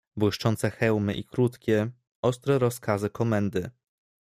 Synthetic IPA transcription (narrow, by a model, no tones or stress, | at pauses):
bwɘʂt͡ʂɔnt̪sɛxɛwmɘʔikɾut̪kʲɛ | ɔst̪ɾɛɾɔskazɘkɔmɛnd̪ɘ